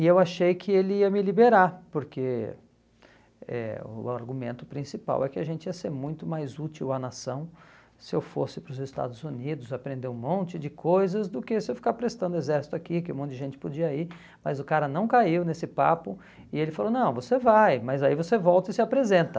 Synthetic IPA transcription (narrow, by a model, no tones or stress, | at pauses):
ɪewaʃejkʰɪelɪiɐmɪlibeɾaɾpoɾkʰe | ɛ̰ʊ̰a̰ɾɡumẽnt̪ʊ̥pɾĩsipa̰wʔɛkɪaʒẽnt͡ʃɪiɐseɾmũj̃t̪ʊmajzut͡ʃiwɐnasɐ̃w̃ | sɪewfo̰sɪpɾʊzɪst̪a̰d̪ʊzunid̪ʊzapɾẽnd̪eũmõnt͡ʃɪd͡ʒɪkʰojzɐzd̪ʊkɪsɪewfi̥kaɾpɾest̪ɐ̃nd̪ʊezɛɾsi̥t̪ʊakikɪumõt̪ʊd̪d͡ʒɪʒẽnt͡ʃɪ̥pod͡ʒiɐiɾ | mɐzʊkaɾɐnɐ̃w̃kaiwnesɪpa̰pʊ | ɪelɪfalonɐ̃w̃vosevajmɐzaivosevɔwt̪ɐɪsɪapɾezẽnt̪ɐ